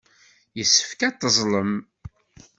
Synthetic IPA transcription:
jəsːə̥fkæt̪ːəzˤləm

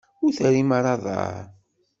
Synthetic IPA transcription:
ʊɾθɾimaɾˤɑðˤɑ̰ɾ

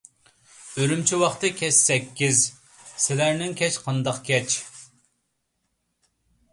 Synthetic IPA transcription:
øɾymt͡ʃʰiwɑχt̪ɨkʲʰɛʃsɛkʲːiz | sɪlæɾnɪŋkʲʰɛt͡ʃqʰɑnd̪ɑqkʲʰɛt͡ʃ

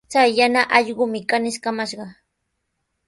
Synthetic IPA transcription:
t͡sajːanaʔɑʎɢʊmɪkanɪʃkamaʃɢɑ

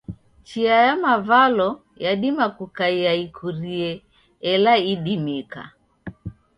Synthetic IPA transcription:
t͡ʃiajamavalɔ | jaɗimakukaiaikʰuɾiɛ | ɛlaiɗimika̰

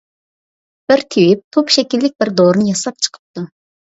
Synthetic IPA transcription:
b̥ɪɾt̪ʰiwip̚t̪ʰopʃɛkʲilːɪk̚ʲbɪɾd̪oɾɨnɨjɑsɑp̚t͡ʃʰə̥qʰə̥p̚t̪u

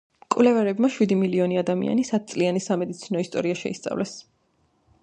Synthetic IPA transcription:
kʼwlɛvɛɾɛbmaʃwid̪imiliɔniad̪amḭa̰nisat̪̚t̪sʼlianisamɛd̪it̪sʰinɔist̪ʼɔɾiaʃɛ̰ist̪sʼa̰vlʔɛs

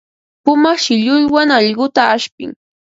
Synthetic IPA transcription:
pʊmɑχʃɪʎʊjwaŋɑʎɢʊt̪aːʃpɪ̰ŋ

